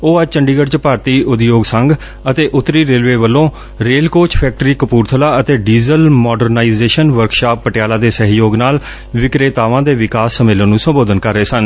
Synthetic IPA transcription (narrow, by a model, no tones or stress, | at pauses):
oːəd͡ʒt͡ʃəɳɖiːɡəɖt͡ʃpaːɾt̪iːʔʊd̪joːɡsəŋɡ | ət̪eːʔʊt̪ːɾiːɾeːlʋeːʋəlːõː | ɾeːlkoːt͡ʃpʰɛːk̚ʈɾiːkəpuːɾt̪ʰəlaːət̪eːɖiːzəlmɔːɖəɾnaːizeːʃənʋəɾkʃaːpːəʈɪjaːlaːd̪eːsəɦjoːɡnaːl | ʋɪkɾeːt̪aːʋãːd̪eːʋɪkaːsːəmɪlːənːũːsəmboːd̪ənkəɾːeːsən